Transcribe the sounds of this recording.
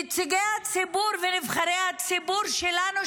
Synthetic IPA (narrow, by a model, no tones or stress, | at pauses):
it͡siɡehat͡sibuɾvenivχaɾehat͡sibuɾʃelanu